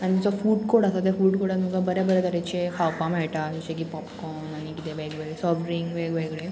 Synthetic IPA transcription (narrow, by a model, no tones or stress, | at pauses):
añid͡zɔfuːɖkoɽasat̪efuːɖkoɽamukabəɾebəɾet̪əɾet͡ɕekʰawpãmeɭʈad͡ʑuɕek̬ipɔpkɔ | naɽ̃ikit̪eʋeɡʋeɡɭesɔʋɾiŋɡʋeɡʋeɡɭe